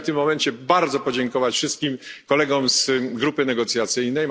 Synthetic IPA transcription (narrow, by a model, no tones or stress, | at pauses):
t̪ɘmːɔmɛɲt͡ɕɛbaɾd̪zɔpɔd͡ʑɛŋkɔvat͡ɕfʂɘst̪̚kʲimkɔlɛɡɔmzɡɾupɘnɛɡɔt̪sʲjat̪sɘjnɛj